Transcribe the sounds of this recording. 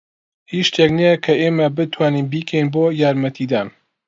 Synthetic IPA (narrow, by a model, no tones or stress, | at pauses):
hiʃt̪ʰeknejɐkʰɐʔeːmɐbɨt̪ʰwaːninbiːkʰɛjnboːjaːɾmɐt̪ʰid̪aːn